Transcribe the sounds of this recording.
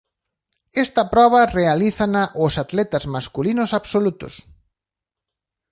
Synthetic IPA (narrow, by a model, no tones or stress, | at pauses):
ɛst̪ɐpɾɔβ̞ɐrealiθɐnaʔʊsat̪lɛt̪ɐzmaskulinʊsaβsolut̪ʊ̰s